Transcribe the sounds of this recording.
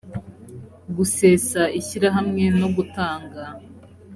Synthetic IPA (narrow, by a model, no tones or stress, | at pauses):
ɡuse̞ːsaʔiçiɾaɦamŋe̞no̞ɡutaːŋɡa